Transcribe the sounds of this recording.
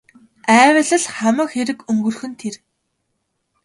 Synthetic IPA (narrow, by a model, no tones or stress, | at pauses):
æːwə̆ɮə̆ɮχæmə̆kxeɾɘ̆kɵŋɡɵ̆rxɵ̆nt̪ʰer